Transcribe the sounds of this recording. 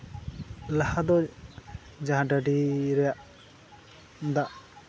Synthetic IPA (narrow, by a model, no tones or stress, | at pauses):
lahad̪ɔ | d͡ʒaɦãɖəɖiɾɛjaʔ | d̪aʔ